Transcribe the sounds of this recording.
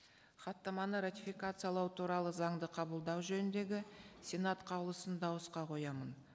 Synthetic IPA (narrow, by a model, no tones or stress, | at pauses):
χɑt̪ːɑmɑnəɾat̪ʲifikat̪sɨjalˠɑwt̪ʰuɾɑlˠəzɑɴd̪əqʰɑbəlˠd̪ɑwʒɵnɪnd̪e̞ɡʲɪsʲenat̪qʰɑwlˠəsənd̪ɑwəsqɑqʰo̞jɑmən